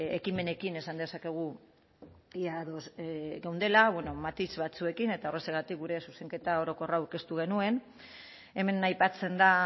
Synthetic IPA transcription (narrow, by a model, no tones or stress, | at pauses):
ekime̞ne̞kine̞sand̪e̞sake̞ɣ̞u | iaðozɣewnd̪e̞laβweno̞mat̪izβat͡sue̞kine̞t̪aoreseɣat̪ik̚ɡuɾe̞suse̞ŋke̞t̪ao̞ɾo̞ko̞raawɾke̞st̪uɣ̞e̞nue̞n | e̞me̞najpat͡se̞nd̪a